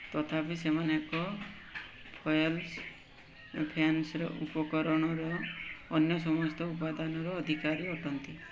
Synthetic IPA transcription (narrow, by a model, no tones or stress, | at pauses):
t̪ɔt̪ʰapisemanakɔ | pʰɔjɔls | pʰjansɔɾɔ̰ʔupɔkɔɾɔɽ̃ɔɾɔːnjɔs̬ɔmɔst̪ʰɔupad̪anɔɾɔːd̪ʱikaɾiɔʈʰɔnt̪i